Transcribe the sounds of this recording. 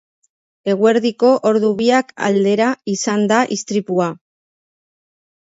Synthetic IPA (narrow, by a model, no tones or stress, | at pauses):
e̞ɣwe̞ɾðiko̞ʔoɾðuβiaka̰ld̪e̞ɾaisand̪aʔist̪ɾipua